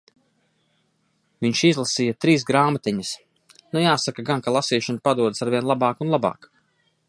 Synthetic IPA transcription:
viɲʃizlˠasiːjat̪ɾiːsɡɾaːmat̪iɲəs | nujaːsakaɡankalˠasiːʃanpad̪uɔd̪saɾviɛnlˠabɑːkunlˠabɑ̰ːk

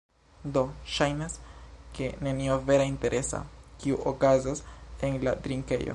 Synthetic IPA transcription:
do̞ʃajnaske̞ne̞niove̞ɾainte̞ɾʔe̞sa̰kiuʔokazase̞nlatɾiŋke̞̰jo̰

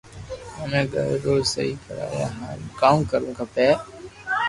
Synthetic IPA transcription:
ɦəmẽːɡʱə̰ɾːoːsəiːkəɾa̰ːjaːɦãːɾkaːukəɾũːkapɛː

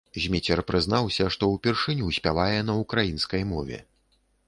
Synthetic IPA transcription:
zʲmʲit͡sʲɛrpɾɨznawsʲɐʂt̪ɔwpʲɛrʂɨnʲusʲpʲavajɛnɐukɾajinskɐjmɔvʲɛ̰

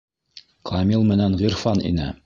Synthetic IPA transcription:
kʰɑmʲilˠmɘ̆nænʁiɾfɑnḭnɘ̰

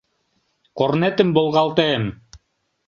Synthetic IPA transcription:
qoɾnɛt̪ɘmbolˠʁɑlˠt̪em

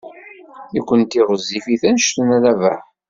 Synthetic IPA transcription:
ikʷːənt̪iʁəzːifiθænʃt̪ənæðævæ

